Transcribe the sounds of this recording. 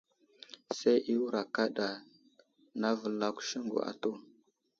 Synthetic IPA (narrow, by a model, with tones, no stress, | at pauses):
sa˦ʔi˦wu˦ɾa˨ka˦ɗa˨ | na˦və˨la˦kʷu̥˨ʃi˦ŋɡṵ˨a̰˨to˦˨